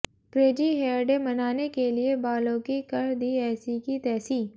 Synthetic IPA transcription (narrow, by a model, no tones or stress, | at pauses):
pɾeːd͡ʒiɦeːɾɖẽmɐnaːnekeliebaːlõkikɐɾd̪iːɛːsikit̪ɛːsiː